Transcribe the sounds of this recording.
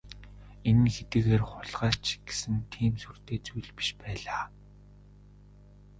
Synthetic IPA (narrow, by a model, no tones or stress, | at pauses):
enɘ̆nxet̪ɘ̆ːɣeːrχʊɮʁaːɬt͡ɕɡ̥e̥sɘ̆nt̪ʰiːmsur̥t̪eːt͡sujɮpi̥ʃpæːɮaː